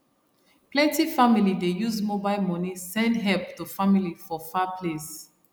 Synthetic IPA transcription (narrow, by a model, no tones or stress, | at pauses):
plɛ̃ntifamilidejuzmobaɪlmɔnisɛ̃ndɦɛlptufamilifɔfapʰles